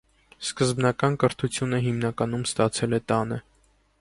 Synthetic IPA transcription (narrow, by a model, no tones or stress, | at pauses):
skəzbnɑkɑnkəɾt̪ʰut͡sʰjunəɦimnɑkɑnumst̪ɑt͡sʰɛlɛt̪ɑnə